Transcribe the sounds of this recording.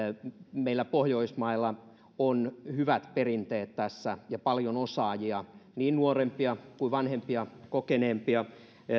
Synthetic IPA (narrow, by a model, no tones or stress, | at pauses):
meilːˑæpohjoismɑilːɑ | onhyʋæt̪perint̪eːt̪t̪æsːæjɑpɑljonosɑːjiɑniːnnuorempiɑkuiʋɑnhempiɑkokeneːmpiɑ